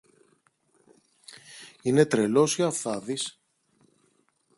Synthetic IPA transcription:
ine̞t̪ɾe̞lo̞sçɐθɐðis

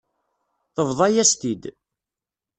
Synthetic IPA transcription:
θəvðˤɑjæst̪id̪

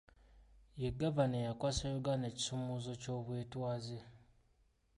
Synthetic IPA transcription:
jeɡaβanejakwaːsajoɡaneci̥somuzo̞co̞ːβweːtwaːze

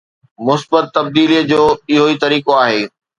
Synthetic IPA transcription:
mʊsbət̪ːɐb̚d̪iːlid͡ʑoːɪɦoit̪ɐɾiːkoaːɦeː

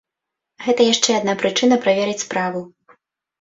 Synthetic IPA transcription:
ɣɛt̪ɐjaʂt͡ʂɛad̪napɾɨt͡ʂɨnɐpɾavʲɛɾɨt͡sʲspɾavu

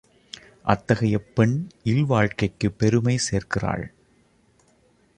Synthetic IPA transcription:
ʔɐt̪ːɐɣɐjɐpːɛɳʔɪlʋaːɻkɐɪkːɯpːɛɾɯmɐɪseːrkɪra̰ːɭ

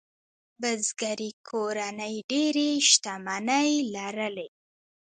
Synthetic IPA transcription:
bəzɡaɾikʰoɾanəjɖeɾeʃt̪amanəjlaɾəle

